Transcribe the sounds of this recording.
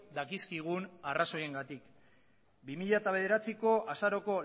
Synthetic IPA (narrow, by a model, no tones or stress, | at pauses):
d̪akiskiɣ̞unaraso̞je̞ŋɡat̪ik | bimiʎat̪aβe̞ð̞e̞ɾat͡siko̞ʔasaɾo̞ko̞